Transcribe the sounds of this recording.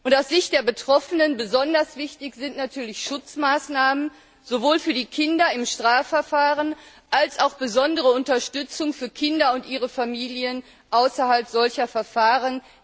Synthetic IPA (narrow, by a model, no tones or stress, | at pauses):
ʔʊntaʊsz̥ɪçt̚d̥eːɐbətʁ̥ɔfənənbəzɔndɐsv̥ɪçtɪçz̥ɪntnatʰyːɐlɪçʃʊt͡smaːsnaːmən | z̥ovoːlfyːɐdiːkʰɪndɐɪmʃtʁ̥aːfɛɐfaːʁən | ʔalsʔaʊxb̥əzɔndəʁəʊntɐʃtʏt͡sʊŋfyːɐkʰɪndɐʊntʔiːʁəfamiːljən | ʔaʊsɐhalpz̥ɔlçɐfɛɐfaːʁən